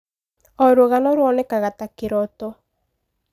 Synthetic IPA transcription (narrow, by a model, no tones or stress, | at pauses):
ɔɾoɣanɔɾwɔnɛkaɣatakeɾɔtɔ